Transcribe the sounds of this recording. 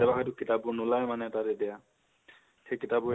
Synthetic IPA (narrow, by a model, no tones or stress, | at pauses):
ɛbakʰɔjt̬ukitabunulajmanɛtaɾɛdɛja | kekitabu